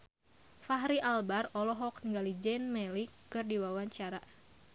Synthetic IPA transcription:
faɦɾiʔalbarɔlɔɦɔknŋɡalid͡ʒɛnmɛlikkːɨrdiwawaɲt͡ʃaɾa

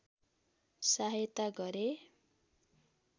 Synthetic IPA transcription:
saɦjʌt̪aɡʌɾe

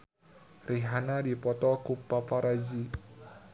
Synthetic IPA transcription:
riɦanadipɔt̪ɔkupapaɾazi

